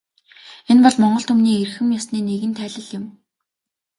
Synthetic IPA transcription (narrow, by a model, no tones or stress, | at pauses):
enpɔɮmɔɴɢɞ̆ɬt̪ʰɵmniːerxɘ̆mjɔsniːneɣɘ̆nt̪ʰæːɮə̆ɮjɪ̆m